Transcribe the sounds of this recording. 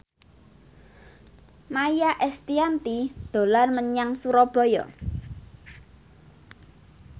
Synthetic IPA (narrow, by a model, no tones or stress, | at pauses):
majaʔɛst̪iant̪id̪̥o̤larməɲaŋsuɾɔb̥ɔ̤jɔ̰